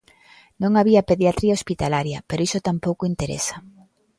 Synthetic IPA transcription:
nõŋaβiɐpeðjat̪ɾiaospit̪alaɾjɐpeɾoisot̪ampowkoint̪eɾḛsɐ̥

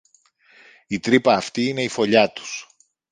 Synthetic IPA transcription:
it̪ɾipɐːft̪iine̞ifo̞ʎɐt̪u̥s

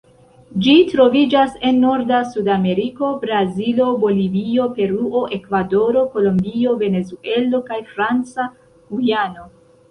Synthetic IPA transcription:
d͡ʒitɾo̞vid͡ʒase̞nːo̞ɾdasudame̞ɾiko̞bɾazilo̞bo̞livio̞pe̞ɾuʔo̞ʔe̞kvado̞ɾo̞ko̞lo̞mbio̞ve̞ne̞zuʔe̞lo̞kajfɾant͡sa | hujano̞

